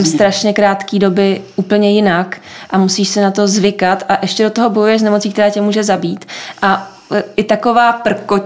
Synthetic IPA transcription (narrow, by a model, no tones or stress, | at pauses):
mst̪ɾaʃɲɛkɾaːt̪kiːdo̞bɪʔuːpl̩ɲɛjɪnakʔamusiːʃsɛnat̪o̞zvɪkat̪ʔaʔɛʃcɛdo̞t̪oɦobojujɛʃznɛmo̞t͡siːkt̪ɛɾaːcɛmuːʒɛzabiːt̪ʔa | ʔɪt̪ako̞vaːpr̩ko